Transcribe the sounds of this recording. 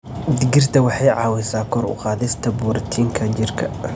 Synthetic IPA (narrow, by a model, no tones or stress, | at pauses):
d̪ɪɡɪrt̪ʰɐwɑħɑjʕɑːwɛsaːkʰɔɾʊ̰qɑːðɪst̪ʰɐbuːɾɐt̪ʰiːŋkʰɐt͡ʃɪrkʰɐ̰